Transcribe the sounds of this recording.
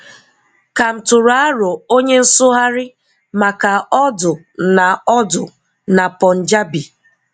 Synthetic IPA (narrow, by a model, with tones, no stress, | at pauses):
ka˨m̩˨tʊ˨ɾʊ˨a˦ɾʊ˨o˦ɲe˦n̩˦sʊ˦ɦa˦ɾɪ˦ | ma˨ka˨ɔ˦dʊ˨ | na˨ɔ˦dʊ˨ | na˨pɔ˨n̩˨d͡ʒa˦bi˨